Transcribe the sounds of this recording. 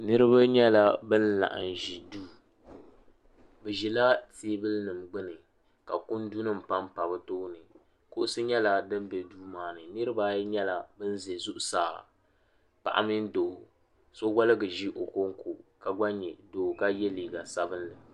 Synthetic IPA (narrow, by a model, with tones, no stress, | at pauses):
nɨ˦ɾɨ˦ba˦ɲɛ˦la˦bɨ˦nla̰˨ʔɨ̰˨n˨ʒi˨duː˦ | bɛ˨ʒi˨la˦teː˦bɨ˦lnɨ˨mɡ͡bɨ˦nɨ˨ | ka̰˨kʊ˦ndu˦nɨ˦m̩˨pa˦mpa˨bɨ˦toː˦nɨ˨ | ko˦ʔʊ˦sɨ˦ɲɛ˦la˨dɨ˦mbɛ˨duː˦maː˨nɨ˨nɨ˦ɾɨ˦ba˦ɲɛ˦la˨bɨ˦n˦ze˨zʊ˦ʔʊ˦saː˨ | pa̰˨ʔa̰˦mɨ˦n˦doː˨ | so˦ɡa˦lɨ˦ɡɨ˨ʒi˦ʔo˨ko˦ŋ˦ko˨ʔka˨ɡ͡ba˦ɲɛ˨doː˨ka˦jɛ˦liː˨ɡa˨sa˦bɨ˦nlɨ˨